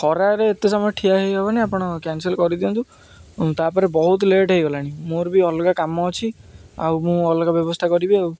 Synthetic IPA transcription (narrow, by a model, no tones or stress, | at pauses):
kʰɔɾaɾeːt̪esɔmɔjɔʈʰiaɦebɔbaniapɔɽ̃ɔkɛnselkɔɾid̪iɔnt̪ũ | t̪apɔɾebɔɦut̪ɔleʈɦejɡɔlaɽ̃imoɾbiɔlokakamɔːt͡ʃʰia̰wmũɔlokabjɔbɔst̪ʰakɔɾibiaw